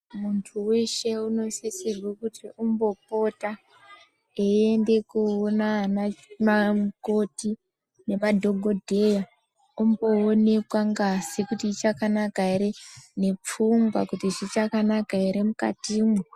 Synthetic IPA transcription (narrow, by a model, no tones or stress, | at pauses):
muntʰuweʃe̞uno̞sesirwakutiʔumbo̞p̚o̞ta | eende̞kuonananamko̞ti | ne̞madʱo̞ɡʱo̞dʱe̞ja | umbo̞one̞kwaŋɡasikutiːt͡ʃakanakaiɾene̞p͡fuŋɡwakutiʐit͡ʃakanakaiɾe̞muka̰time